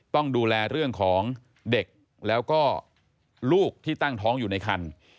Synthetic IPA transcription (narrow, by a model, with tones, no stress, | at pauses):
t̪ɔ˥˩ŋduː˧lɛː˧ɾɯ˥˩əŋkʰɔː˩˦ŋ | de˨˩k̚ | lɛː˦˥wkɔː˥˩ | luː˥˩k̚t̪ʰiː˥˩t̪a˥˩ŋt̪ʰɔː˦˥ŋjuː˨˩na˧jkʰa˧n